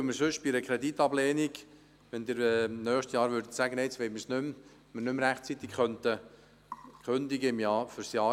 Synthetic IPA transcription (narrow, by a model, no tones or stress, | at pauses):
məɾsʏʃb̥ɪɾəkʰɾɛd̪it̪ɑblɛːniɡ | ʋɛnd̪ɪɾɛnœːχʃtjɑːɾʋʏɾd̥ətsæɡənɛɪt͡sʋɛɪməsnʏm | mənʏmɾæχt͡sit̪ɪkχœnt̪ə | kχʏnd̪iɡəɪmjɑːfʏɾsjɑː